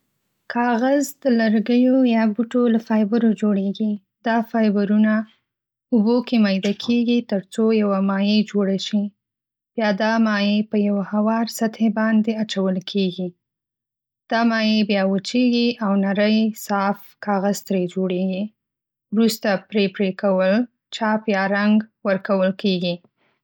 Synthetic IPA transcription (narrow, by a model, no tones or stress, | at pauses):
kʰɑɣazd̪ələɾɡəjojɑbuʈolafɑjbəɾod͡ʒoɽeɡi | d̪ɑfɑjbaɾuna | ubokemɑjd̪akʰeɡit̪əɾt͡sojawamɑjed͡ʒoɽaʃi | b̥jɑd̪ɑmɑjepəjawahawɑɾsat̪hebɑnd̪eat͡ʃawəlkʰeɡi | d̪̥ɑmɑjebjɑwət͡ʃeɡiʔawnaɾəjsɑf | kɑɣaz̥t̪ɾed͡ʒoɽeɡi | wɾust̪apɾepɾekawəl | t͡ʃɑpjɑɾaŋɡwəɾkawəlkeɡi